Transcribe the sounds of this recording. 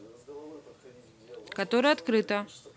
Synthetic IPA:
kɐt̪oɾəjɐt̪kɾɨt̪ɐ

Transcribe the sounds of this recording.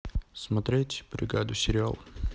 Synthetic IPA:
smɐt̪ɾʲetʲb̥ɾʲɪɡad̪ʊsʲɪɾʲɪa̰lˠ

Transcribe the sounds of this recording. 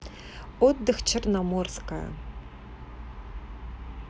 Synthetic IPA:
ot̪̚d̪ɨxt͡ʃʰɪrnamorska̰

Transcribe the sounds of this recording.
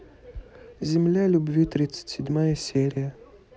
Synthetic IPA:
zʲɪmlʲalʲʊbvʲit̪ɾʲit̪sə̥tʲsʲɪdʲmajəsʲeɾʲɪjə

